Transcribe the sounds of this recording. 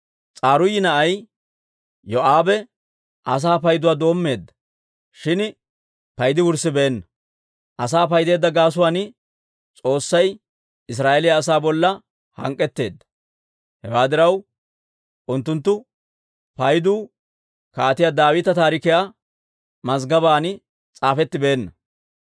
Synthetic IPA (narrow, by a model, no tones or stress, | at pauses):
t͡sʼaːɾʊjːɪnɐʔɐj | jɔʔaːbɛ | ʔɐs̬aːpɐjd̪ʊwaːd̪o̞ːmːe̞ːd̪ːɐ̥ | ʃɪn | pɐjd̪ɪwʊɾsɪbɛɛnːɐ | ʔɐsaːpɐjd̪e̞ːd̪ːɐɡaːs̬ʊwaːnɪ | t͡sʼo̞ːsːɐj | ɪs̬ɾaːʔelɪjɐːsaːbɔlːɐ | hɐ̰ŋkʼːɛt̪ːe̞ːd̪ːɐ̥ | hɛwaːd̪ɪɾɐw | ʔʊnt̪ːʊnt̪̬ːʊ | pɐjd̪uː | kaːt̪ɪjad̪aːwɪt̪ɐt̪aːɾɪkɪjaː | mɐzɡɐbaːnɪ | t͡sʼaːfɛt̪ːɪbe̞ːnːɐ